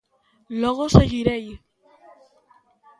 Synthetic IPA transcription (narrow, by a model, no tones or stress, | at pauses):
loɣoseɣiɾej